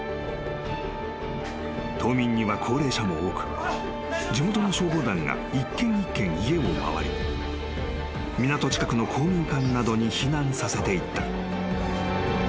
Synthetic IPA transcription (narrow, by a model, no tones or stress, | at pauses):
t̪ʰo̞ːmʲĩɲ̟ːiβakʰo̞ːɾe̞ːɕamo̞oːkɯ̟̥ | d͡ʑimo̞t̪o̞no̞ɕo̞ːd̪o̞ːd̪ãŋɡa̰ikːẽ̞ŋikːẽ̞ŋ̃ie̞oma̰βa̰ɾʲḭ | mʲinat̪o̞t͡ɕi̥kakɯ̟no̞kʰoːmʲĩŋkãnːad̪o̞ɲ̟içinãɰ̃sase̞t̪e̞it̪ːa